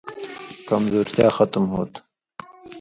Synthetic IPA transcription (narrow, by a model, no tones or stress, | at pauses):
kɐmzoːɾt̪jaːxɐt̪mɦoːt̪